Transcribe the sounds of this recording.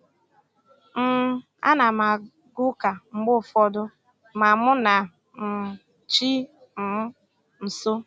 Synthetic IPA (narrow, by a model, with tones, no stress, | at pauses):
m̩˨˦ | a̰˦na˨ma˨ | ɡʊ˦ka˨ŋ͡m̩˦ɡ͡bʊ˦˨fɔ˦dʊ˦ | ma˨mʊ˦na˨ | m̩˨ | t͡ʃi˦ | m̩˨mʊ˦ | n̩˨so˦